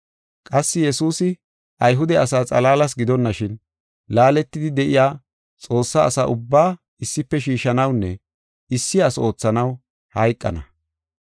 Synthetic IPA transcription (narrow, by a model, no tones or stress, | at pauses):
kʼɐsːɪjɛsuːsɪ | ʔɐjɦʊd̪ɛɐsaːt͡sʼɐlaːlɐs̬ɡɪd̪ɔnːɐʃɪn | laːlɛt̪ːɪd̪ɪd̪ɛʔɪjaː | t͡sʼo̞ːsːa̰ːsa̰ʔʊbːaː | ɪsːɪpːɛʃiːʃɐnɐwnːɛ | ɪsːɪɐso̞ːt͡sːɐnɐw | hɐjkʼːɐ̰nɐ̰